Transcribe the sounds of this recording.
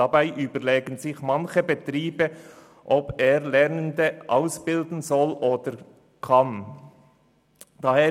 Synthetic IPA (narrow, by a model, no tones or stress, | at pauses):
ɑbaɪʔyːbəʁleːɡən̩zɪçmɑnçəbetʁiːbə | ʔɔpeːʁlɛʁnəndəʔaʊsb̥ɪldn̩zɔloːd̥əɾ | kʰɑn | d̥ɑheː